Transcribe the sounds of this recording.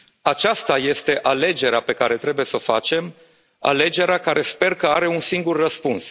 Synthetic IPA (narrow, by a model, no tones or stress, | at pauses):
at͡ʃast̪aje̞st̪e̞ʔale̞d͡ʒe̞ɾeape̞kaɾe̞t̪ɾe̞buje̞sofat͡ʃe̞m | a̰le̞d͡ʒe̞ɾeakaɾe̞spe̞rkəaɾe̞unsiŋɡurːəspuns